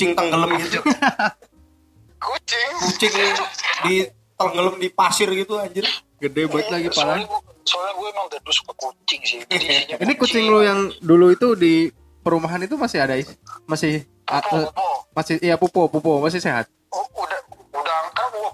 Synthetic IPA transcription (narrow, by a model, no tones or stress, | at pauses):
ut͡ʃɪŋt̪əŋɡələmu | kut͡ʃɪŋkut͡ʃɪŋdi | t̪ələŋɡələmdipasɪrɡit̪uaɲd͡ʒɪr | ɡədɛbaət̪̚laɡipala | soaɡuɛmaŋd̪ədʊskəkut͡ʃɪŋsiinikut͡ʃɪŋlojaŋduluit̪udi | pəɾumaɦanit̪umasɪhadaimasɪh | a | masɪhjapupopupomas̬ɪhseɦa̰t̪̚ | udaudaaŋkau